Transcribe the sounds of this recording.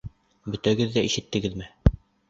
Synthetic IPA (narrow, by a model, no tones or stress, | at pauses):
bɵ̆t̪æɡɘðːæiʃɘ̆t̪ːɘ̆ɡɘðmɘ